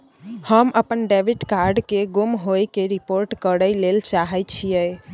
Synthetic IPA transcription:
həmʔəpənɖeʋiʈkaɾɖkeɡumɦojkeɾipoɾʈkəɽəjlelt͡ʃaɦət͡ʃʰijəj

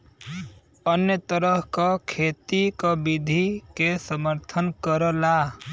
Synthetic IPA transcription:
ənjət̪əɾəɦkakʰeːt̪ikabid̪ʱikesəməɾt̪ʰənkəɾəla

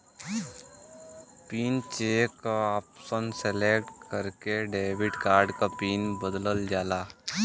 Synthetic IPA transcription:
piːnt͡ʃeːkaaːpsənseleːkʈkəɾkeɖeːʋɪɖkaːɾɖkapiːnbəd̪ləld͡ʒaːlaː

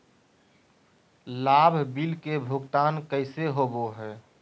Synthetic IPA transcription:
laːbʱbilkebʱʊɡt̪aːnkəɪseɦoboɦɛː

